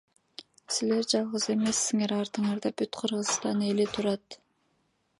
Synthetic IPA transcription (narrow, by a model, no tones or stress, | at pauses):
sile̞ɾd͡ʒɑlˠʁəze̞me̞sːiŋe̞ɾɑɾt̪ɯɴɑɾd̪ɑbyt̪qʰɯɾʁɯst̪ɑne̞lit̪ʰuɾɑt̪